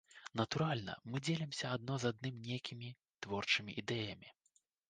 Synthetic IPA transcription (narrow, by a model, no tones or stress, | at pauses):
nɐt̪uɾalʲnɐ̰mɨd͡zʲelʲɛmsʲɐad̪nɔzad̪̚nɨmnʲejkʲimʲi | t̪vɔrt͡ʂɨmʲḭʔid̪ɛjɐmʲi